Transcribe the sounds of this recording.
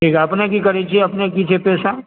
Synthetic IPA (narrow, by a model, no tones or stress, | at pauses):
ʈʰiːkɛɐpnekikɐɾet͡ʃʰieɐpnekit͡ʃʰepɛːsa